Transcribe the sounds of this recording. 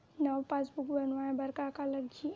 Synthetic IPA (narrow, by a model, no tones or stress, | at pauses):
nəwpasbukbənʋaẽbəɾkakaləɡd͡ʒi